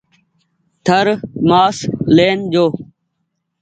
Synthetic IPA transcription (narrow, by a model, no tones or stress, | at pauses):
t̪ʰəɾmaːsleːnd͡ʒoː